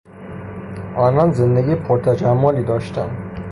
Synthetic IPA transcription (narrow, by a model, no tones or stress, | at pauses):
ʔɒːnɒnzend̪eɡʲiːpʰoɾt̪ʰæd͡ʒæmːoliːd̪ɒːʃt̪ʰæ̰n